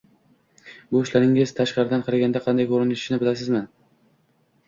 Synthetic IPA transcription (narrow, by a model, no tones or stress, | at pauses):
bʊʊʃlaɾɪŋɪzt̪ʰaʃqɑɾɪd̪anqʰɑɾaɡʲand̪aqʰɑnd̪ajkʰɵɾɪnɪʃɪnɪbɪlas̬ɪzmɪ